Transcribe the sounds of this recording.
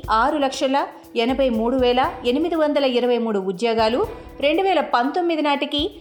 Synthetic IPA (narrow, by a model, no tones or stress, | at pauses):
aːɾulɐkʂɐlɐ | ɛnɐbʱɐjmuːɽuʋɛːlɐenimid̪iʋɐnd̪ɐlɐiɾɐʋɐjmuːɽuud̪joːɡaːlu | ɾe̞ɳɖuʋɛːlɐpɐnt̪o̞mːid̪inaːʈiki